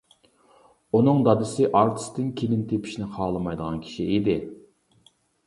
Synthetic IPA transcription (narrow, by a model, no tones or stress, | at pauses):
unɨŋd̪ɑd̪ɨsɪʔɑɾt̪ʰɪ̥st̪ɪnkʲʰelɪnt̪ʰepʰi̥ʃinɪqʰɑːlˠɨmɑjd̪əʁɑnkʲʰi̥ʃied̪ɪ